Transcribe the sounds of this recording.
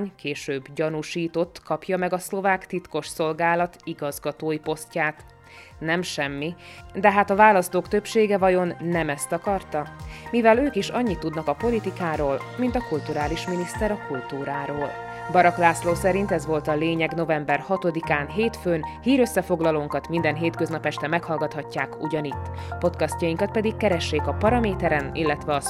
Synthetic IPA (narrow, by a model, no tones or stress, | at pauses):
ɲkeːʃøːbɟɒnuʃiːt̪o̞t̪ːkɒpjɒmɛɡɒslo̞vaːkt̪it̪ko̞ʃso̞lɡaːlɒt̪iɡɒzɡɒt̪oːjipo̞scaːt̪ | nɛmʃɛmːid̪ɛɦaːt̪ɒvaːlɒst̪oːkt̪ø̞pʃeːɡɛvɒjo̞nːɛmɛst̪ɒkɒrt̪ɒmivɛløːkiʃɒɲːit̪ːud̪nɒkɒpo̞lit̪ikaːɾoːlmint̪ɒkult̪uɾaːliʃminist̪ɛɾɒkult̪uːɾaːɾoːl | bɒɾɒklaːsloːsɛɾint̪ɛzʋo̞lt̪ɒleːɲɛɡno̞vɛmbɛrhɒt̪o̞d̪ikaːnɦeːt̪føːnhiːɾø̞sːɛfo̞ɡlɒloːŋkɒt̪mind̪ɛnɦeːt̪kø̞znɒpɛʃt̪ɛmɛkhɒlɡɒt̪hɒcːaːkṵɟɒnit̪ːpo̞t̪kɒst̪ɒjiŋkɒt̪̚pɛd̪ikːɛɾɛʃːeːkɒpɒɾɒmeːt̪ɛɾɛnilːɛt̪ʋɛɒ